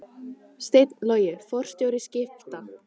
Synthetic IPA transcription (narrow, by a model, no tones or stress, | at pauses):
st̪ejt̪nlœːɥjɪfɔr̥st̪joːwɾɪscɪft̪a